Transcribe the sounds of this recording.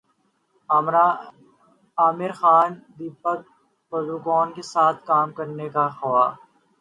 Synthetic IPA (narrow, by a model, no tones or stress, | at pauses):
mɾa | aːmɪɾxaːnd̪iːpək̚ | pɐluːkɔːnkesaːt̪̚ʰkaːmkɐɾnekaxɐʋaː